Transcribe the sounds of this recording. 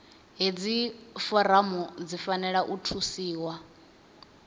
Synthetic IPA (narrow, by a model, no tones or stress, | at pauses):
ɦed͡zifɔɾamud͡zifanɛɺaʔutʰusiːwa